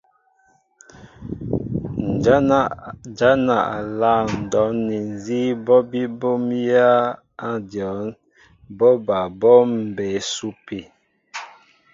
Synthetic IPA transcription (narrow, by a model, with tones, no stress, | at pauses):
d͡ʒa˦na˨a˨la˦˨n̩˨dɔ˨˦ni˨n˨zi˦bɔ˦bi˦bo˦mja˦ | a˦djɔ˨˦n | bɔ˦ba˨bɔ˦m̩˨be˨˦su˦pi˨